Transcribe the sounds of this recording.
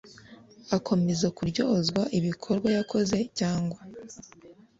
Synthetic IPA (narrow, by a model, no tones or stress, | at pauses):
akʰo̞me̞zakuɾɟo̞ːzɡwaʔiβikʰo̞ɾɡwajakʰo̞ze̞caːŋɡwa